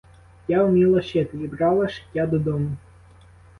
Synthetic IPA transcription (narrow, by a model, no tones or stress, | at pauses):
jaʊmʲilˠɐʃɛt̪ɪibɾɑlˠɐʃɪ̥tʲːad̪ɔd̪ɔmʊ